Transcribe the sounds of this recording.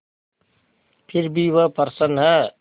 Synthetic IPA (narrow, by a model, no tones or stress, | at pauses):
pʰɪɾbiʋəpəɾsənɦɛ